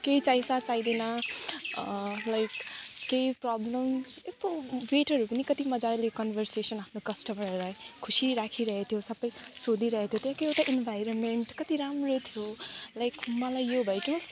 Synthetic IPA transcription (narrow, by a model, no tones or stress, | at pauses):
kejt͡sajsat͡sajd̪enʌ | lajkːeiprɔblʌm | est̪obeʈʌɾupʌnikʌt̪imʌd͡zalekʌnbʱʌrsesʌnapʰnokʌsʈʌmʌɾʌɾʌɦekʰusiɾakʰiɾʌɦet̪ʰjosʌbʌjsod̪iɾʌɦet̪ʰjot̪ʌjãkejet̪aʔinbʱajɾonmeɳʈkʌt̪iɾamrot̪ʰjolajkmʌlajːobʱʌjkimʌ